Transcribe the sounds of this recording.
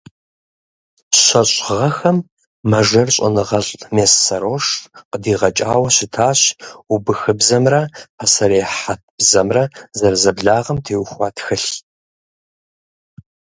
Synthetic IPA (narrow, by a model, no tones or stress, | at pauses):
ɕʷɐɕʼʁɐxɐmː | ɐʒɐrɕʼɐ̰nɨʁɐɬʼmeːsːɐɾoːʂqədiːʁɐt͡ʃʼaːwɐɕɪtʰaːɕubɨxɨbzɐmrɐpʰɐsɐɾeːħat̚b̥zɐmrɐzɐrzɐbɮaːʁɐmtʰeːwxʷɑːtʰxɨɬ